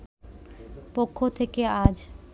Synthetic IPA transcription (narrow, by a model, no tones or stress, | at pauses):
pokʰːot̪ʰekead͡ʑ